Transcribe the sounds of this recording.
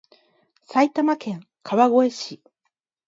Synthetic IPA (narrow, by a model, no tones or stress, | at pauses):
sait̪amakẽ̞ŋ | kʰaβaɡo̞e̞ɕi